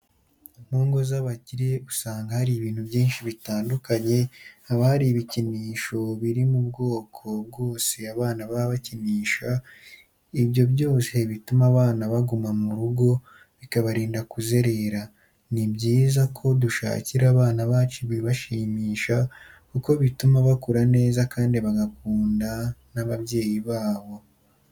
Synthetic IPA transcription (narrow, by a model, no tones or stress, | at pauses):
muːŋɡo̞zaβaciɾeusaːŋɡahaɾiːβiːnhubjiːnʃiβitaːndukaɲe̞aβahaɾiβiciniːʃo̞βiɾimub̚ɡo̞ːkʰo̞b̚ɡo̞ːse̞aβaːnaβaβaciniːʃa | ibjo̞bɟo̞ːse̞βitumaβaːnaβaɡumamuɾuɡo̞ | βikaβaɾiːndakuze̞ɾe̞ɾa | nibɟiːzakʰo̞duʃa̰ːciɾaβaːnaβaːt͡ʃuβiβaʃiːmiːʃa | kuko̞βitumaβakuɾane̞ːzakaːndiβaɡakuːndanaβaβje̞ːjiβaːβo̞